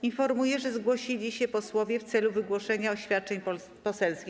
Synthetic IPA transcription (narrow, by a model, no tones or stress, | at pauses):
infɔɾmujɛʐɛzɡwɔɕilʲiɕɛpɔswɔvʲjɛft̪sɛluvɘɡwɔʂɛɲaɔɕfʲjat̪̚t͡ʂɛɲɔ | pɔsɛlskʲi